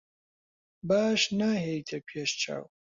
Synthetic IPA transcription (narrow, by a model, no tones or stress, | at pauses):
baːʃnaːɦejt̪ʰɐpʰeʃt͡ʃa̰ːw